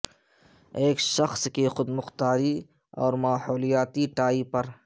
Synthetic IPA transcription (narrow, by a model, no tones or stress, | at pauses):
eːkʃɐxskexʊd̪mʊxt̪aːɾi | ɔ̰ːɾmaːhɔːlijaːt̪iʈaːipɐɾ